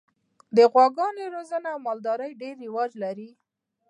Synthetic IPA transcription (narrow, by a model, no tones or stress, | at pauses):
d̪əɣwɑɡɑneɾozənamɑld̪ɑɾəjɖeɾːɪwɑd͡ʒlaɾi